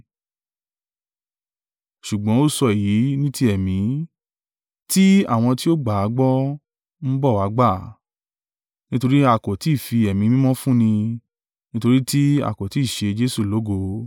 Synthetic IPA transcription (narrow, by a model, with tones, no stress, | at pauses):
ʃu˨ɡ͡bɔ̃˨˦o˦˨sɔ˧i˨ji˨˦nĩ˦ti˦ɛ˨mĩ˨˦ | ti˦a̰˦˨w̃ɔ̃˧ti˦o˦ɡ͡ba˨a˨˦ɡ͡bɔ˦ | n̩˦bɔ˦˨wa˨˦ɡ͡ba˦˨ | nĩ˦to˧ɾi˦a˨kɔ˨ti˨˦˨fi˧ɛ˨mĩ˨˦mĩ˦mɔ̃˦fũ˦nĩ˧ | nĩ˦to˧ɾi˦ti˦a̰˦˨kɔ˨ti˨˦˨ʃe˧d͡ʒe˦su˦˨lo˨˦ɡo˧˦